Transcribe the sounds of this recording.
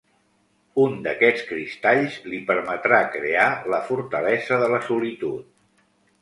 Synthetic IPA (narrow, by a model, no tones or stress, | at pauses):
und̪əkɛt͡skɾist̪aʎzlipəɾmət̪ɾakɾealəfuɾt̪əlɛzəðələsulit̪ut̪̚